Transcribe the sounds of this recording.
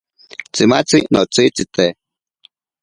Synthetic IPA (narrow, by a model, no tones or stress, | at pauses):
t͡simat͡sinot͡sit͡sit̪e